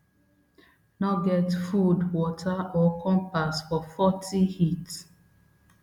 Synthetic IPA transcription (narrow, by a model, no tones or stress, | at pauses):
nɔɡɛtfudwɔtʰaɔkʰɔ̃mpasfɔfɔtʰihit